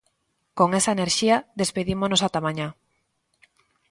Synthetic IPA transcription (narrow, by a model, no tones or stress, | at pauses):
koŋesaeneɾʃiaðespeðimonosat̪amãɲa